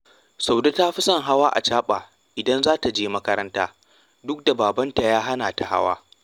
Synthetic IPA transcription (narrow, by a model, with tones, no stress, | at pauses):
sa˨wda˦taː˦ɸi˦sɐ˦ŋɦa˦waː˦ʔa̰˨t͡ʃaː˦ɓaː˨ | ʔɪ˨dɐ˦nzaː˦ta˨d͡ʒeː˦mɐ˦kɐ˦ɾɐ˦ntaː˦ | dʊ˦k̚da˨baː˨bɐ˦nta˨jaː˦ɦa˦naː˨ta˨ha̰˦wa̰ː˦